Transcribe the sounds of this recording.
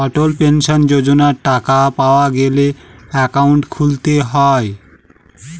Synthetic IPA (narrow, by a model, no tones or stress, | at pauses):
ʌʈolpensʌnd͡ʒod͡ʒonaʈakapawaɡeleekawɳʈkʰult̪eɦɔj